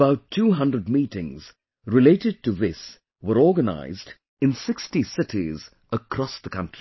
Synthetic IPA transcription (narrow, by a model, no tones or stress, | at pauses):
əbaʊtʰːuːɦʌ̃ndɾəd̚miːtɪ̰̃ŋz | ɹɪleɪtɨd̚tɨvɪs | wəɾɔːɡəna̰ɪzd | ɨ̃nsɪkstisɪtiz | əkʰɾɔsðəkʰʌ̃ntɹ̥i